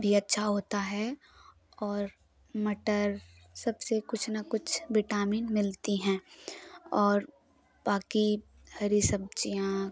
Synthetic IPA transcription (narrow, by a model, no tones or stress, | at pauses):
bʱiɐtːʃʰaɦoːt̪aɦɛ | ɔːɾ | məʈəɾ | sɐbsekʊt͡ʃʰnakʊt͡ʃʰbɪʈaːmiːnmɪlt̪iɦɛ̃ː | ɔːɾ | baːki | hɐɾisɐb̚t͡ʃijã